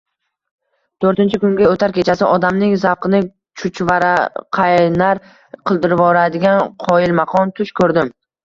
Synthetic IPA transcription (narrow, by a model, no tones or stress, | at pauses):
t̪ʰɵɾt̪ɪnt͡ʃʰɪkʊŋɡʲaot̪ʰaɾkʲʰe̞t͡ʃʰasɪʔɒd̪amnɪŋzaqɨnɪ | t͡ʃʰʊt͡ʃvaɾqʰajnaɾ | qʰɨlˠd̪ɪɾvɒɾad̪ɪɡʲanqʰɒjɪlmaqʰɒnt̪ʰʊʃkʰɵɾd̪ɪm